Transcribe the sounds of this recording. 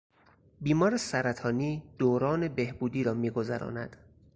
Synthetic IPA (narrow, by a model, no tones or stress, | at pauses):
biːmɒːɾesæɾæt̪ʰɒːniːd̪̥oːɾɒːne̞behbuːd̪iːɾɒːmiːɡo̞zæ̰ɾɒ̰ːnæ̰d̪̥